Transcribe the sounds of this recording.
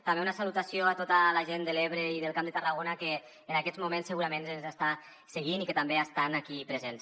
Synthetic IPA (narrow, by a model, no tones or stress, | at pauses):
t̪ambeunasalut̪asjoat̪ot̪alaʒend̪əleβɾeiðəlˠkamd̪ət̪əraɣonakeː | nakɛzmumẽnsːəɣuɾamẽnzənzast̪a | seɣ̞inikət̪ambeast̪anakipɾəzens